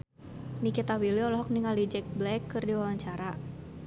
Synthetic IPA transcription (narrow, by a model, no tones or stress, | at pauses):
nikit̪awiliɔlɔɦɔk̚niŋalid͡ʒɛk̚blɛkːɨrdiwawaɲt͡ʃaɾa